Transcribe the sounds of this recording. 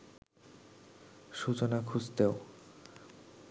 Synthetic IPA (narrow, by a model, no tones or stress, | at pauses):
ʃut͡ɕonakʰud͡ʑt̪eo